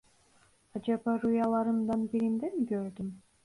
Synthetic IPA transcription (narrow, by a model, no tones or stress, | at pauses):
ɑd͡ʒɑpɑɾujɑlˠɑɾɯmd̪ɑnbiɾimd̪emikøɾd̪ym